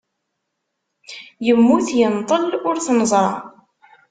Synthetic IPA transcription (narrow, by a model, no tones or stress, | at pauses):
jəmːuθjənt̪ˤəlʊɾθnəzˤɾˤɑ̰